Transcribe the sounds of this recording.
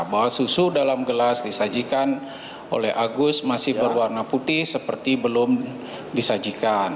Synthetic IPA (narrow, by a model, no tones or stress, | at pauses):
basusudalamɡəlasdisad͡ʒikan | ʔo̰lɛ̰ɦʔaɡʊs̚masɪhbərwarnaput̪ɪhsəpərt̪ibəlʊm | disad͡ʒikan